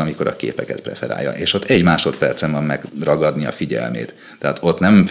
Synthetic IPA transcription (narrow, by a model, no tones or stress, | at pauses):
nɒmiko̞ɾɒkḛːpɛkɛt̪prɛ̰fɛɾa̰ːjːɒ̰ʔeːʃo̞t̪ːɛɟmaːʃo̞t̪pɛrt̪sɛɱvɒmːɛɡ̥rɒɡɒd̪niɒfiɟɛ̰lmḛːt̪ː | ɛaːt̪o̞t̪nɛm